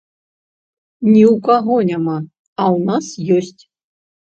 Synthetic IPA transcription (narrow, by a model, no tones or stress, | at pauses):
nʲiukaɣonʲama | awnasjosʲtʲ